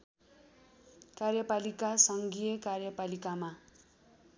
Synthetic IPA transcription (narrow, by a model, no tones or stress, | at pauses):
karjʌpalikasʌŋɡijʌkarjʌpalikama